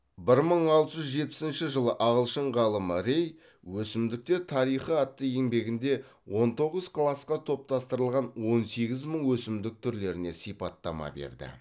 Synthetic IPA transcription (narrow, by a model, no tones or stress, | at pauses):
bɪɾməɴɑlˠt̪əʒʏzʒe̞t̪̚pɪ̥sɪnʃɪʒəlˠəʔɑʁəlˠʃəɴʁɑlˠəməɾe̞j | wɵsɪmd̪ɪk̚t̪e̞ɾt̪ʰɑɾijχəɑt̪ːəje̞ŋbe̞ɡʲɪnd̪e̞ | wo̞nt̪ʰo̞ʁəz̥qʰlˠɑsqɑt̪ʰo̞p̚t̪ɑst̪əɾəlˠʁɑnwo̞nse̞ɡʲɪzməɴwɵsɪmd̪ɪk̚t̪ʰʏɾle̞ɾɪne̞sijpɑt̪ːɑ̰mɑ̰be̞̰ɾd̪ɪ̰